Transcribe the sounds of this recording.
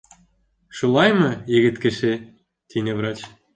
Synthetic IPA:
ʃulˠɑjmɤ̆eɣɘ̆t̪kɘ̆ʃe | t̪ʲinʲevrɑt͡ɕ

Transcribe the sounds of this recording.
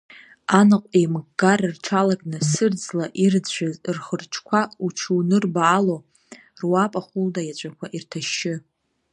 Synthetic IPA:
anɨqʷʼemɡarɨrʈ͡ʂʰalaɡʼnɨsɨrd͡zlaʔird͡zʒʷᶣazrχərʈ͡ʂʰkʷʰauʈ͡ʂʰunɨrbaːlo | rwapʼaχuldajat͡ɕʷʼakʷʰaʔirtʰaʃɪ

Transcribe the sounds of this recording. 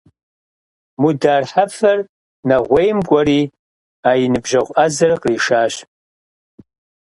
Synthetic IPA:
mudaːrħafɐr | nɐʁʷejmkʷʼɔɾiː | aːjinɨbʒɐʁʷʔɐzɐrqriːʂaːɕ

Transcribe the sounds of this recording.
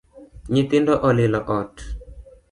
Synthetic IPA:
ɲɪt̪ɪndɔʔɔlɪlɔʔɔt

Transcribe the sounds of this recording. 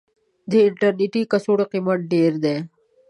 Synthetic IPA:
d̪eɪʈɐɾniʈikɐsuɽqimɐʈ̪̚ɖeːɾd̪eː

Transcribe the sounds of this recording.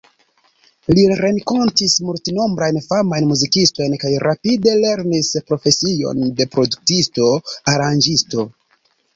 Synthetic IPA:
liɾe̞ŋko̞ntismultino̞mbɾajnfamajnmuzikisto̞jnkajɾapide̞le̞ɾnispɾo̞fe̞sio̰nde̞pɾo̞duk̚tisto̞aɾand͡ʒisto̞

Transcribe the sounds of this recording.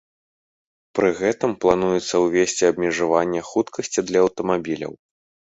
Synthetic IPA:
pɾɨɣɛt̪ɨmplˠanujɛt̪sːɐwvʲesʲt͡sʲiɐbmʲɛʐavanʲːɛxut̪kʰɐsʲt͡sʲid̪lʲɐːwt̪ɐmabʲilʲɐ̰w

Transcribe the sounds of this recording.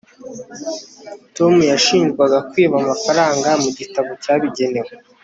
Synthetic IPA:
to̞mujaʃiːnzɡwaɡakwiːβamafaɾaːŋɡamuɟitaβocaβiɟe̞ne̞we

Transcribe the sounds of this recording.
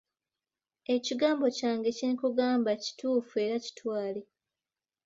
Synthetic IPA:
e̞ciɡaːmbo̞caːŋɡe̞ciɾikuɡaːmbaci̥tuːfue̞ɾaci̥twaːle

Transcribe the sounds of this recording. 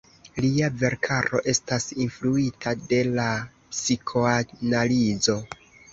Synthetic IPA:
liave̞ɾkʰaɾo̞̰ʔe̞stasinfluitʰade̞la | psikʰo̞analizo̞

